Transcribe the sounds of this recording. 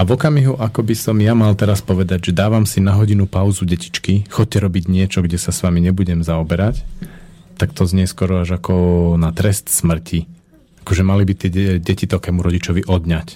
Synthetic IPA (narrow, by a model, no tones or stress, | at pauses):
avɔkamiɦuʔakɔbisɔmjamalt̪ɛɾaspɔʋɛd̪aɟʒɛd̪aːʋamsinaɦɔɟinupaʊzuɟɛci̥t͡ʃkixɔc̚cːɛɾɔbiɟɲɪɛt͡ʃɔɡɟɛsasʋamiɲɛbuɟɛmzaɔbɛɾac | t̪akt̪ɔzɲɪɛskɔɾɔaʒakɔnat̪ɾɛst̪smr̩ci | akɔʒɛmalibit̪ɪɛɟɛcit̪ɔkɛːmuɾɔɟit͡ʃɔʋiʔɔd̪ɲac